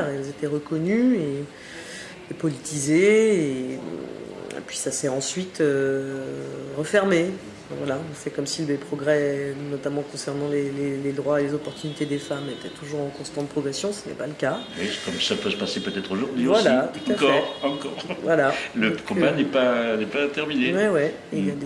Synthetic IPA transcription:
ʁeɛlzet̪ɛʁəkɔnye | epɔlit̪izeː | ḛpɥisasɛɑ̃sɥit̪ø | ʁəfɛʁmẽ | vwalãsɛkɔmsilepχɔɡʁɛnɔt̪amɑ̃kɔ̃sɛʁnɑ̃leleled̪ʁwaelezɔpɔʁt̪ynit̪ed̪efamet̪ɛt̪ʰuʒuʁɑ̃kɔ̃st̪ɑ̃t̪əpχɔɡʁɛsjɔ̃sənɛ̰paləkawɛkɔmsapøsəpasepøt̪ɛt̪χoʒuʁd̪ɥiovvaslat̪ũakɔɛʁɑ̃kɔʁvwalaləkɔ̃banɛpanɛpat̪ɛʁminewɛwɛ | iljad̪

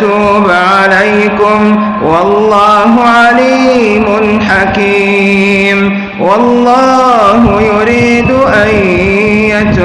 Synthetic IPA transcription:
uːb | ʕalajkʊm | wɑlˤːɑːɦʊʕaliː | mʊnħaki | m | wɑlˤːɑːhʊjʊɾiːd̪ʊʔaj | at̪

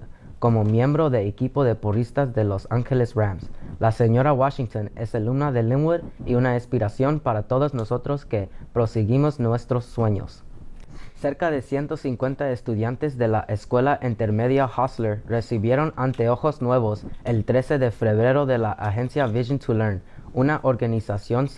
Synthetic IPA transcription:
ko̞mo̞mje̞mbɾo̞ðe̞ːkipo̞ðe̞purist̪azðe̞lo̞saŋxelesβamslase̞ɲo̞ɾawaʃiŋt̪one̞selumnaðe̞lĩŋweɾiunaispiɾasjo̞npaɾat̪o̞ðozno̞so̞t̪ɾo̞ske̞pɾo̞siɣimo̞znwe̞st̪ɾosːwe̞ɲo̰s | se̞ɾkaðe̞sje̞nt̪o̞siŋkwe̞nt̪aest̪uðjant̪e̞zðe̞laʔeskwe̞laʔint̪e̞ɾme̞ðjahasleɾre̞siβje̞ɾo̞nant̪e̞o̞xo̞znwe̞β̞o̞se̞lt̪ɾe̞se̞ðe̞fe̞βɾe̞ɾo̞ðe̞laʔaxe̞nsjaviʒont̪ʰuleɾnunaʔo̞ɾɣanisasjo̞n

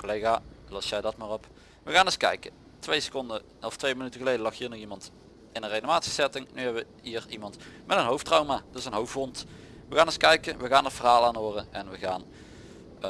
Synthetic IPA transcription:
kolejɣaːlɔsjɛjdɑtmaːrɔp | ʋəɣaːnɪskɛ̰jkə | tʋejsə̥kɔndə | ɔftʋejmənytəɣəlejdəlɑxɦiːɹnɔχimɑnt | ɪnənrejnomaːtsi̥sɛtɪŋnyɦɛbʋə | ɦiːrimɑntmɛtənɦowftrawmaːdəsənɦowfbɔnt | ʋəɣaːnɪskɛjkəʋəɣaːnətfərɦaːlˠaːnoːrəɛnʋəɣaːn

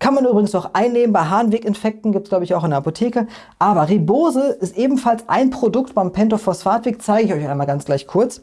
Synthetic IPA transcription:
kʰanmanʔyːbʁɪɡŋ̩snɔχʔaɪnːeːmənbaɪɦaːnveːkɪnfɛk̚tn̩ɡiːp̚tɡ̥laʊbəɪçaʊχɪndeɐʔapotʰeːkə | ʔaːbɐʁiboːzəʔɪstʔeːbm̩falsʔa̰ɪnpʁ̥odʊktb̥aɪmpʰɛntofɔsfaːɐtv̥eːk̚t͡saɪɡəɪçɔʏçaɪnmaːlɡant͡sɡ̥laɪçkʰʊɐt͡s

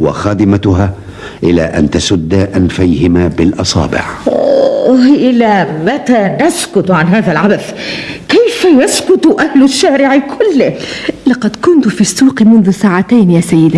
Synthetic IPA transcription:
wɑ̰xaːd̪ɪmat̪ʊɦaː | ʔɪla̰ːʔa̰nt̪asʊd̪ːaʔanfajhɪmaːbɪlʔɑsˤɑ̰ːbɪ̰ʕ | ʔɪlamat̪aːnaskʊt̪ʕanɦaːðalʕabaθkajfajaskʊt̪ʔahlʊʃːaːɾɪʕɪkʰʊlːɪlɑqɑd̪kʊnt̪ʊfiːsːuːqmʊnðʊsaːʕat̪ajnjaːsajːɪd̪a

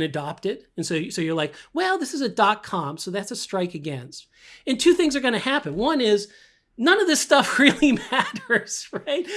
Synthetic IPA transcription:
nɨdɑp̚tɪɾɨ̃nsoʊsoʊjə˞laɪkwɛlˠðɪsɨzɨd̥ɑt̚kʰɑ̃msoʊðætsɨstɹ̥aɪkɨɡɛ̃nst̚ | ɨ̃ntʰʉθɪ̃ŋzə˞ɡʌñɨhæpɨ̃nwʌ̃nɪz | nʌ̃nʌvðɪstʌfɹɪlˠimæɾə˞z̥ɹaɪt̚

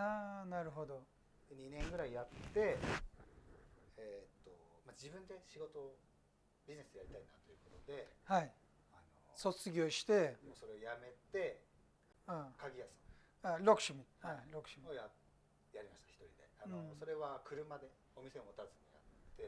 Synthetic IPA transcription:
aːnaɾɯ̟ɦo̞d̪o̞ | d̪̥eɲ̟inẽ̞ŋɡɯ̟ɾaijat̪ːe̞ | et̪ːo̞mad͡ʑibɯ̟̃nd̪e̞ɕiɡo̞t̪o̞ː | bʲizine̞sɨd̪ejaɾʲit̪ainat̪o̞jɯ̟ko̞t̪o̞d̪e̞hai | anoso̞t͡sɨɡʲo̞ːɕi̥t̪e̞mo̞ːso̞ɾe̞ojame̞t̪e̞ | akaɡʲijasɨ | aːɾo̞kɯ̟̥ɕmʲihaiɾo̞kɯ̟̥ɕmioja | jaɾʲimaɕi̥t̪ḁçi̥t̪o̞ɾʲḭd̪e̞̰anõsso̞ɾe̞βakɯ̟ɾɯ̟mad̪e̞ | omʲise̞omo̞t̪azɨɲ̟ija̰t̪ːe̞

